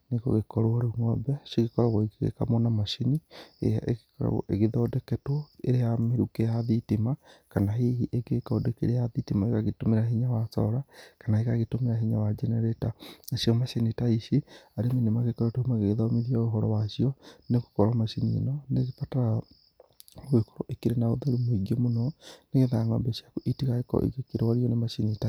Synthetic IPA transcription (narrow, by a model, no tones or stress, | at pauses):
neko̰ɣekɔɾoaɾouŋɔbɛʃiɣekɔɾaɣoikeɣḛka̰monamaʃenḭa̰ḛekɾa̰eɣeðɔːdɛkɛtwɔeɾejameɾukejaðitemakanaɦeɦiʔeɡekɔdɛkḛɾejaðitimaekaɣetomeɾaɦeɲawasɔ̰ɾakanaekaɣetomeɾaɦeɲawad͡ʒɛnɛɾɛtanasiɔmaʃenitaiʃiaɾemenemaɣekaɾɔtoumaɣeɣeðaomiɾiaoɦɔɾɔwaʃiɔneɣokɔɾamaʃinḭnɔneɣepataɾa | ekɔɾɔʔekeɾenaoðaɾumoiɡiemonɔneɣeðanɔ̰mbeɕjakoʔitiɣaekɔ̰ʔḛkekeɾewaɾiɔnemaʃinita